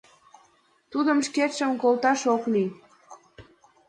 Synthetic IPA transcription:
t̪ud̪əmʃket̪ʃəmkolt̪ɑʃokni

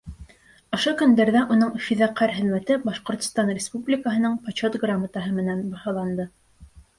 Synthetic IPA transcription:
ŏʃokɵ̆nd̪æɾðæʔunɤɴfiðæqʰːæɾɦɘ̆ðmæt̪ɘbɑʃqŏɾt̪ŏ̥st̪ɑnrʲɪspublʲɪkəɦɤ̆nɤɴpat͡ɕot̪ɡramat̪ɑɦɤmɘ̆nænbɑhɑlˠɑnd̪ɤ

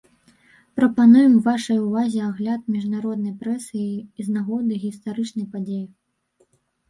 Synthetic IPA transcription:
pɾɐpanujɛmvaʂɐjuvazʲɛaɣlʲat̪̚mʲiʐnaɾɔd̪nɐjpɾɛsɨːznaɣɔd̪ɨɣʲist̪aɾɨt͡ʂnɐjpad͡zʲeji

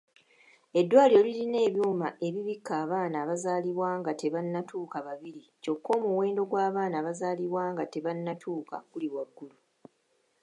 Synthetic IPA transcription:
e̞dːwaːljo̞ːliline̞ːβjuːmaʔe̞βiβikːaːβaːnaːβazaːliβwaːŋɡate̞βanːatʰuːkaβaβiɾico̞kʰːo̞ːmuwe̞ːndo̞ɡwaːβaːnaːβazaːliβwaːŋɡate̞βanːatʰuːka̰kuliβwaɡːulu

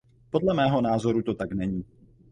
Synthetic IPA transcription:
po̞dlɛmɛːɦo̞naːzo̞ɾut̪o̞t̪aknɛɲiː

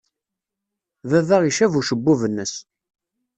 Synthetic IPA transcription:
ðæðaʁiʃævuʃəbːuvənːəs

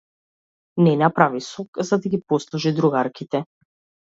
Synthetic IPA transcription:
nɛnapɾavisɔkzad̪aɡipɔslˠɔʒid̪ɾuɡaɾkit̪ɛ

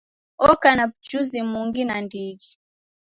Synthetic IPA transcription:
ɔkanapt͡ʃuzimuŋɡinandiɡi

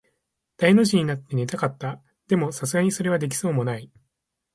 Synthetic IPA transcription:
d̪̥aino̞ʑiɲ̟inat̪ːe̞ne̞t̪akat̪ːa | d̪̥e̞mo̞sasɨɡaɲ̟iso̞ɾe̞β̞ad̪e̞k̬ʲi̥so̞ːmo̞nai

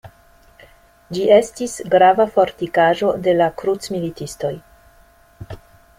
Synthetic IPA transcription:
d͡ʒiʔe̞stisɡɾavafo̞ɾtikaʒo̞de̞lakɾutt͡smilitisto̞j

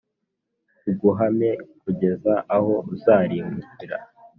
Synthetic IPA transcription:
uɡuɦame̞kuɟe̞zaʔaho̞zaːɾiːŋuciɾa̰

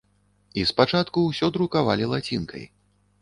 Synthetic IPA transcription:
ispat͡ʂat̪kuwsʲɔd̪ɾukavalʲilˠat͡sʲinkʰɐ̰j

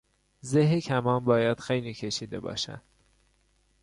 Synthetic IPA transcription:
zeɦecʰæmɒːmbɒːjæd̪̥xejliːcʰe̞ʃiːd̪e̞̰bɒ̰ːʃæ̰nd̪̥

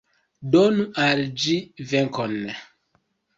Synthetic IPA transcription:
donuʔald͡ʒivɛŋkɔnːɛ

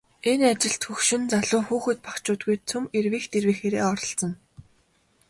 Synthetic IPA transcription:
enat͡ɕɪ̆ɬt̪xɵxʃɵ̆nt͡saɮʊːxuːxɘ̆t̪̚pakt͡ɕʊːt̪̚ɡujt͡sʰɵmerwiːxt̪erwiːxeːɾḛːɔɾɞ̆ɬt͡sə̆n

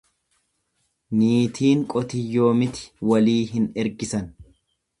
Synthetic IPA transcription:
niːt̪ʰiːŋkʼɔt̪ɪjːo̞ːmɪt̪ɪ̥wɐliːɦɪnɛɾɡɪsɐn

